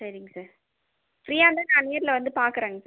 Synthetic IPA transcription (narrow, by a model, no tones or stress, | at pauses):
sɐɾɪŋɡɐsaːɾ | fɾiːjaːnd̪anãːnejɐɾɪlɐʋɐnd̪ɯpaːɾkɯɾeːŋɡɐsaːɾ